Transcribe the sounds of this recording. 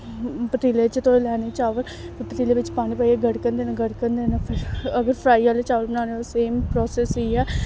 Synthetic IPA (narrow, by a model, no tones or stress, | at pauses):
pəʈ̪iːleːt͡ʃt̪oːelɛːneːt͡ʃaːʋəl | pːpəʈ̪iːleːʋɪt͡ʃpaːñiːpaːiɛːɡəɽkənd̪eːnãɡəɽkəɾnd̪eːnaːpʰɪɾəɡəɾpʰɾaːiːaːleːt͡ʃaːʋəlbənãːneoseːmpɾɔːsɛːsiːɛː